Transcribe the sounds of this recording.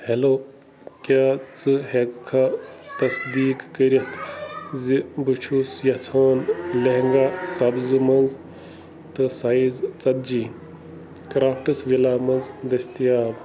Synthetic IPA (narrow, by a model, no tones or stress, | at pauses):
heloː | kjaːt͡sɨɦekkʰat̪ɐsd̪iːkːəɾɐt̪ʰzibɨt͡ʃʰusjɐt͡sʰoːnleɦŋɡaːsɐbzɨmɐnz | t̪ɨsaizt͡sɐd̪̚d͡ʒiː | kɾaːpʰʈɨsʋilaːmɐnzd̪ɐst̪ijaːb